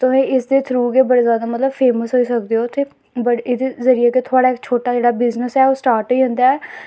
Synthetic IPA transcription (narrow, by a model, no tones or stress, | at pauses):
t̪ʊmẽːɪsd̪eːt̪ʰɾuːɡeːbəɽeːzjaːd̪aːmət̪ləbpʰeːməsɦoːiːsəkd̪eːoːt̪eː | bəɽed̪eːzəɾieːket̪ʰʊaːɽaːɪkt͡ʃʰoːʈaːd͡ʒeːɽaːbɪznəsɛːoːsʈaːɾʈiːɦʊ̃nd̪aːɛː